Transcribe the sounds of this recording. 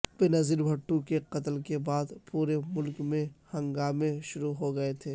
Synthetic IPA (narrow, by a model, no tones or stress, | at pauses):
beːnaziɾbʱɐʈːũkeqɐt̪lkebaːd̪puːɾemʊlkmẽhɐ̃ŋɡaːmẽʃʊɾuɦoɡɐet̪ʰeː